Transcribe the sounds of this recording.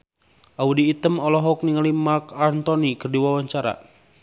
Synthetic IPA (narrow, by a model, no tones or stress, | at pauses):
ʔaudiːt̪əmɔlɔɦɔk̚niŋalimarkant̪ɔnikərdiwawaɲt͡ʃaɾa̰